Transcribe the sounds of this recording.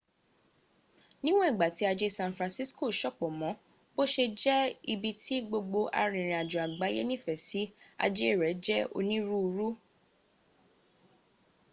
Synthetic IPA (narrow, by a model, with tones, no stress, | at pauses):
nĩ˦w̃ɔ̃˦i˦˨ɡ͡ba˨ti˦a˧d͡ʒe˦sã˧nfɾã˧si˦sko˦˨ʃɔ˦˨k͡pɔ˨mɔ̃˨˦ | bo˦ʃe˧d͡ʒɛ˦i˧bi˧tʰi˦ɡ͡bo˧ɡ͡bo˧ʔa̰˧ɾ̃ĩ˨ɾ̃ĩ˨a˨d͡ʒu˨a˨ɡ͡ba˨˦jḛ˦nĩ˦˨fɛ˨si˨˦a̰˧d͡ʒe˦˨ɾɛ˨˦d͡ʒɛ˦o̰˧nĩ˦ɾu˦u˧ɾu˦